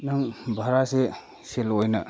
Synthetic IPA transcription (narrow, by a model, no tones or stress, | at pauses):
naŋbʱaɾase | selojnɐ